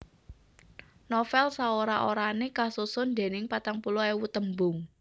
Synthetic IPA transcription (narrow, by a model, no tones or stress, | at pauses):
nɔfɛlsaoɾaʔoɾanekasusʊnd̪e̤nɪŋpat̪aŋpuloewut̪əmbʊŋ